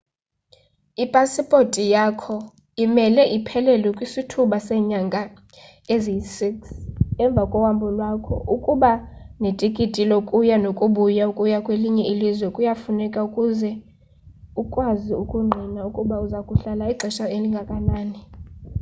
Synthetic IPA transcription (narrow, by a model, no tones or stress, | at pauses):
ipʼasipʼotʼijakʰɔ | imɛlɛʔipʰɛlɛlɔkʼwisitʰuɓasɛɲaŋɡʱa | eziisiksɛɱb̪vʱakʼɔwambʱɔlwakʰɔ̰ʔukʼuɓanetʼikʼitʼilɔkʼujanokʼuɓujaukʼujakʼweliɲɛilizwɛkʼujafunɛkʼaukʼuzɛ | ukʼwaziukʼuŋ͡ǃʱinaukʼuɓauzakʼuɬalaiǃʱɛʃaeliŋɡʱakʼanaːni